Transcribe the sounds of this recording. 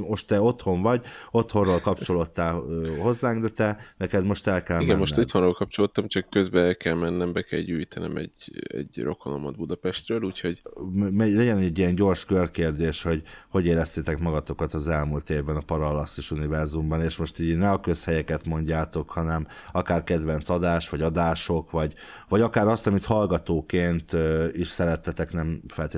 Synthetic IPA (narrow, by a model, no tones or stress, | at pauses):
mo̞ʃt̪t̪ɛo̞t̪ho̞ɱvɒɟo̞t̪ho̞nrolkɒpt͡ʃo̞lo̞t̪ːaːløho̞zːaːŋɡd̪ɛt̪ɛnɛkɛd̪mo̞ʃt̪ɛlkɛlimɡɛmmːoʃt̪ːot̪honroːlkɒp̚t͡ʃolot̪ːɒmt͡ʃɒkːøzbɛɛlkɛlmɛnːɛmbɛkɛ̰lɟyːjt̪ɛnɛ̰mɛ̰ɟɛ̰ɟro̞̰kono̰mɒ̰d̪̚bud̪ɒpɛʃt̪røːluːcho̞ɟmmɛlɛɟɛnɛɟːijɛnɟo̞rʃkølkeːrd̪eːʃho̞ɟho̞ɟeːɾɛst̪eːt̪ɛkmɒɡɒt̪o̞kɒt̪ɒzɛlmuːlt̪eːvbɛnɒpɒɾɒlɒsːiʃunivɛrzumbɒneːʃmo̞ʃt̪iːɟnɛɒkø̞shɛjɛkɛt̪mo̞ɲɟaːt̪o̞khɒnɛm | ɒkaːrkɛd̪ʋɛnt̪sɒd̪aːʃʋɒɟɒd̪aːʃo̞kvɒɟ | vɒɟɒkaːɾɒst̪ɒmit̪hɒlɡɒt̪oːkeːnt̪iʃsɛɾɛt̪ːɛt̪ɛknɛmfɛlt̪eː